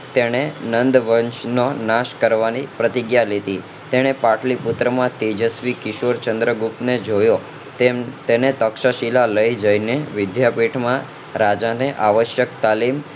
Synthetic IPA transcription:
t̪eɽ̃enənd̪ʋənʃnonaʃkəɾʋanipɾət̪ɪɡjalet̪i | t̪eɽ̃epaʈlipʊt̪ɾəmãt̪ed͡ʒəsʋikɪʃoɾt͡ʃənd̪ɾəɡupned͡ʒojo | t̪enet̪əkʃaʃilaləid͡ʒəjneʋɪd̪japiʈʰmã | ɾad͡ʒaneʔaʋəʃjək̚t̪alim

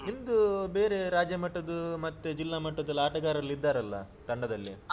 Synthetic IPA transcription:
ind̪ube̞ːɾe̞ɾaːd͡ʒjɐmɐʈːɐd̪umɐt̪ːed͡ʒilːaːmɐʈːɐd̪ɐlːaːʈɐɡaːɾɐlːid̪ːaːɾɐlːɐ̰ | t̪ɐɳɖɐd̪ɐlːi

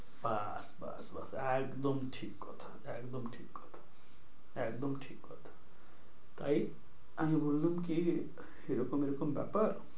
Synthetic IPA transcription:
ba | sba̰sba̰sekd̪ʌmʈʰikːot̪ʰɔ̥ | ekd̪ʌmʈʰikɡɔt̪ʰɔ̥ | ekd̪ʌmʈʰikɡʌt̪ʰ | t̪aj | amĩbolːumki | eɾokomeɾokomba̰paɾ

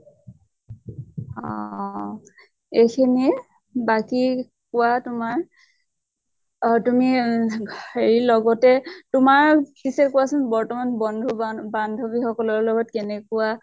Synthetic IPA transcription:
ɔ | ejkʰini | baki | kʊwatʊmaɹ | tumi | eɹilɔɡɔtɛtʊmaɹbisɛkʊwasʊnbɔɹtɔmanbɔndʱubandʱobixɔkɔlɔɹlɔɡɔtkɛnɛkʊwa

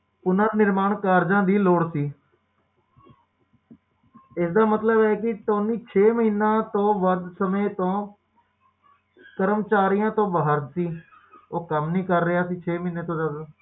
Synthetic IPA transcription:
ʊnãːnɪɾmaːɳkaːɾd͡ʒãːd̪iːloːɽsiː | ɪsd̪aːmət̪ləbɛːkɪʈõːniːt͡ʃʰeːməɦiːnãːt̪õːʋəɾd̪səmẽːt̪õː | kəɾəmt͡ʃaːɾijãːt̪õːbaɦəɾd̪siː | oːkəmnĩːkəɾːɪaːsiːt͡ʃʰeːməiːneːt̪õːd͡ʒəd̪

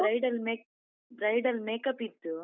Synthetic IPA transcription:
ɐjɖɐlmeːk̚ | bɾɐjɖɐlmeːkɐpːit̪ːu

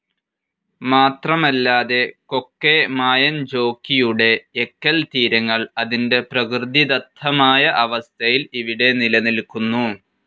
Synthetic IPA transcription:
maːt̪rɐmɐlːaːðe̞ko̞kːe̞maːjɐnd͡ʑo̞ːkːijuɽe̞ːkːɐlt̪iːɾɐŋːɐɭɐðinde̞prɐkrɨd̪id̪ɐt̪ʰːɐmaːjɐʔɐʋɐst̪ʰɐjiliʋiɽe̞nilɐnilkunːu

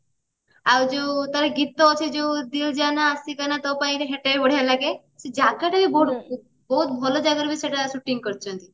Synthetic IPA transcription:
awd͡ʒot̪aɾeɡit̪ːɔːt͡ʃʰed͡ʒod̪ild͡ʒanaːsikanat̪ɔpaĩɾeɦeʈebɔɽ̤alaɡe | sed͡ʒaɡaʈabibɔ | bɔɦut̪̚bʱɔlɔd͡ʒaɡəɾbiseʈasuʈiŋkəɾt͡ʃʰɔnt̪i

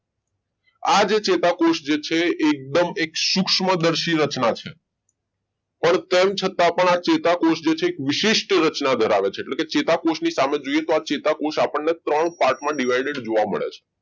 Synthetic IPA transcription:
ad͡ʒet͡ʃet̪akoʃd͡ʒet͡ʃʰeːk̚d̪əmekʃukʃməd̪əɾʃiɾət͡ʃnat͡ʃʰe | pəɳt̪emt͡ʃʰət̪apəɳat͡ʃet̪akoʃd͡ʒet͡ʃʰeːkʋɪʃiʃʈɾət͡ʃnad̪ʱəɾaʋet͡ʃʰeːʈleket͡ʃet̪akoʃnisamed͡ʒoiet̪oat͡ʃet̪akoʃapəɳnet̪ɾəɳpaɾʈmãɖiʋaiɖeɖd͡ʒoʋamə̰ɭḛt͡ʃʰe̥

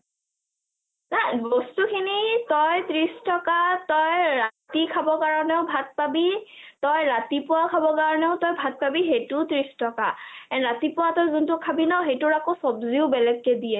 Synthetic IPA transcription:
najbɔstukʰinitɔjt̪ɹistɔkatɔjɹatikʰabɔkaɹɔnɛʊbʱat̚pabitɔjɹatipʊwakʰabɔkaɹɔnɛʊtɔjbʱat̚pabiɦejtʊtɹistɔkaɛnɹatipʊwatɔjzʊntʊkʰabinɔɦejtʊɹakosɔbziʊbɛlɛɡːɛdiɛ

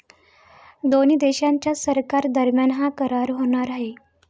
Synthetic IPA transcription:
d̪onid̪eɕãɲt͡ɕjasəɾkaɾd̪əɾmjanɦãkəɾaɾɦoɽ̃aɾaɦe

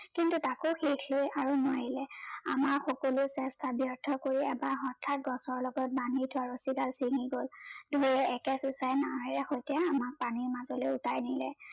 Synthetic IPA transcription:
kintutakoxexlojaɹunaɹilɛa̰maɹxɔkɔlʊsɛstʰabjɔɹtʰɔkoɹiɛbaɹxɔtʰːat̚ɡɔsɔɹlɔɡɔt̚banitʰʊaɹosiɡalsiŋiɡoldʱuɹɛɛkɛsusajnaɦɔɹɛxojtijaːmak̚paniɹmazɔlojʊtajnilɛ

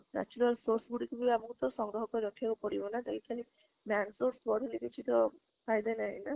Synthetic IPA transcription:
na̰t͡ʃuɾalsoɾsɡuɽikubibabɔŋkut̪ɔɾsɔŋɡɾɔɦɔkɔɾɔʈʰiakupɔɽibɔnad̪elikʰali | bansoɾsbɔɽʱelikit͡ʃʰit̪ɔ | pajd̪ajnaɦḭna

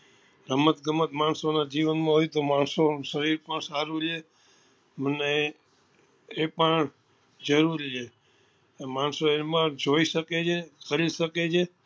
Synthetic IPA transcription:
ɾəmət̪ɡəmət̪mansonad͡ʒiʋənmãɦojt̪omansoʃəɾiɾpəɳsaɾut͡ʃʰe | məne | pəɳ | d͡ʒəɾuɾit͡ʃʰe | mansoemãd͡ʒoiʃəket͡ʃʰekəɾiʃəket͡ʃʰe

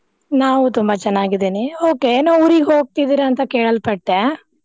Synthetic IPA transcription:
naːʋut̪umbɐt͡ʃɐnːaːɡid̪iːnioːkenouːɾiːɡɦoːɡ̚t̪id̪iːɾɐːnt̪ɐkeːɭɐlpɐʈːe

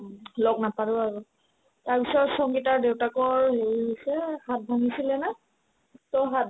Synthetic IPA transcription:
lɔɡnapaɹʊaɹʊ | taɹpisɔtsɔŋɡitaɹdewtakɔɹɦeɹiosɛhat̚bʱaŋisilɛna | tɔɦat̚

